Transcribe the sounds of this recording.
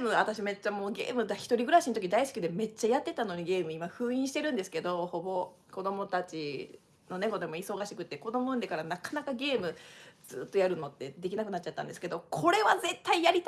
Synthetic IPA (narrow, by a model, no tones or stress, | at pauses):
mɯat̪aɕime̞t͡ɕːamo̞ːɡe̞̰ːmɯ̟d̪açi̥t̪o̞ɾʲiɡɯ̟ɾaɕinot̪okʲid̪aisi̥kʲid̪e̞me̞t͡ɕːajat̪ːe̞t̪ano̞ɲ̟iɡe̞ːmɯ̟imaɸɯ̟ːĩɕi̥t̪e̞ɾɯ̟̃nd̪e̞sɨ̥ke̞d̪o̞ho̞bo̞ | ko̞d̪o̞mo̞t̪at͡ɕi | no̞ne̞ɡo̞d̪e̞mo̞iso̞ɡaɕikɯ̟t̪ːe̞ko̞d̪o̞moɯ̟̃nd̪e̞kaɾanakḁnakaɡʲe̞ːmɯ̟z̥ɨːt̪ːo̞jaɾɯ̟nːo̞t̪ːe̞d̪e̞kʲinakɯ̟natt͡ɕːat̪ːãnd̪e̞sɨ̥keo̞kʰo̞ɾe̞βaze̞t̪ːaijaɾʲit̪